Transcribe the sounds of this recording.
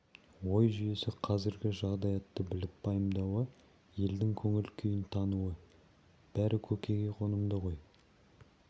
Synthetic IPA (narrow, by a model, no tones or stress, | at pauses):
wo̞jʒʏje̞sɪqʰɑzɪɾɡʲɪʒɑʁd̪ɑjɑt̪ːəbɪlɪp̚bɑjəmd̪ɑwə | je̞ld̪ɪŋkʲʰɵŋɪlkʲʰʏjɪnt̪ʰɑnuwə | b̥æɾɪkʲʰɵkʲe̞ɡʲe̞qʰo̞nəmd̪əʁo̞j